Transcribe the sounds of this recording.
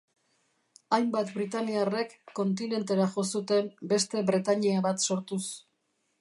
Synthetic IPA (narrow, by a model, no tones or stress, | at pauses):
ajmbat̪bɾit̪aniare̞kːo̞nt̪ine̞nt̪e̞ɾaʝo̞sut̪e̞mbe̞st̪e̞βɾet̪aɲiaβat̪so̞ɾt̪us